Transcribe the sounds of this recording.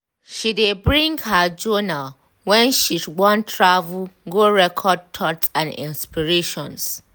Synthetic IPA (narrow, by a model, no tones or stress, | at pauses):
ʃidebɹĩŋɡhad͡ʒɔnal | wɛ̃nʃisɡ͡bɔ̃ntʰɹavulɡoɹɛkʰɔd̚tʰɔtsãnḭ̃nspiɹeʃɔ̃ns